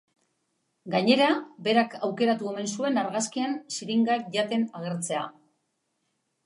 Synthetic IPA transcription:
ɡaɲe̞ɾabe̞ɾakawke̞ɾat̪ue̞me̞nsue̞naɾɣaskiansiɾiŋɡak̚ʝat̪e̞naɣ̞e̞ɾt͡se̞a̰

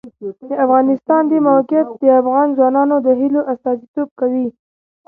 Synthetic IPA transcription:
d̪əafɣɑnɪst̪ɑnd̪emawkjat̪̚d̪əafɣɑnzwɑnɑnod̪əɦiloʔast̪ɑzit̪ob̚kawi

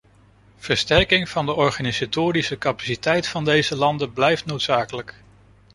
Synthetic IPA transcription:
v̥əɹstɛɹkɪŋv̥ɑndəʔɔɹχaːnizatʊːɾisəkɑpḁsitɛjtfɑndejzəlɑndəblɛjftnowtsaːkələk

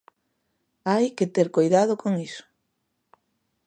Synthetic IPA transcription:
ajket̪eɾkojðaðʊkoŋisʊ̥

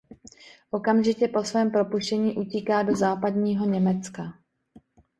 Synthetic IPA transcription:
ʔo̞kamʒɪcɛpo̞svɛːmpɾo̞puʃcɛɲiːʔuciːkaːdo̞zaːpadɲiːɦo̞ɲɛmɛt͡ska

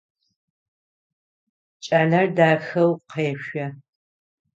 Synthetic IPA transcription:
t͡ʃʼaɮɐrdaːxɐwqʰeːʃʷɐ

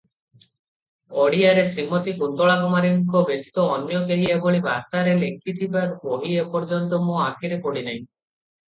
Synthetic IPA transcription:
ɔɽiaɾesimɔt̪ikunt̪ɔɭakɔmaɾiŋkɔbet̪i̥t̪ɔːnjɔkeɭieboɭibʱa̰saɾelekʰit̪ʰibaɾboɦiepɔɾd͡ʒɔnt̪ɔmoakʰiɾekɔɽinaĩ

